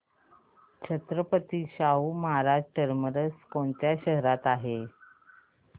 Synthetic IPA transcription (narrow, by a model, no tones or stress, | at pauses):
t͡ɕʰət̪ɾəpət̪iːɕauməɦaɾad͡ʑʈəɾməɾəskoɳt̪jaɕəɦɾat̪aɦe